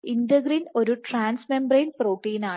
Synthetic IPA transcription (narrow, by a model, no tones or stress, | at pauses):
indɐɡrino̞ɾuʈraːnsmembrejnproːʈːiːnaː